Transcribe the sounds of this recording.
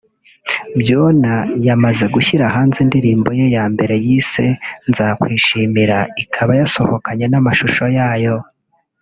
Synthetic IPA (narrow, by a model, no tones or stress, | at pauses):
bjoːnajamaze̞ɡuçiɾaɦaːnzindiɾiːmbo̞je̞jaːmbe̞ɾe̞jiːse̞nzakwiːʃimiɾaikʰaβajaso̰hokaɲe̞namaʃuʃo̞jaːjo̞